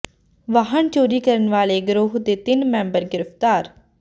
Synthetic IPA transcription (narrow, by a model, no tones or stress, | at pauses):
ʋaːɦəɳt͡ʃoːɾiːkəɾənʋaːleːɡɾoːɦd̪eːt̪ɪnmɛ̃ːmbəɾɡɪɾəft̪aːɾ